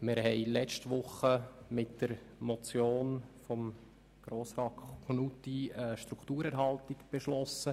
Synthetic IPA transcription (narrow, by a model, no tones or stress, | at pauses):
mɪɾɦɛɪlɛt͡ʃtʋʊχəmɪtd̥əɾmɔt͡sjoːnfɔm | ɡ̥ɾoːsɾɑːkknutiəʃt̪ɾukʰt̪uːɾɛɾɦɑltiɡb̥ɛʃlɔsə